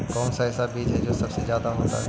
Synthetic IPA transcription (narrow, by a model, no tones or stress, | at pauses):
kɔːnsaɦɪsabiːd͡ʒɦɛd͡ʒoːsɐbsezjaːd̪aɦoːt̪a̰ɦɛ